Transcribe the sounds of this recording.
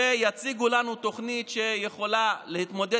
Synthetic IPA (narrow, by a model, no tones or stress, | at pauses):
ejat͡siɡulanut̪o̞χnit̪ʃe̞jeχo̞lalehit̪mo̞d̪e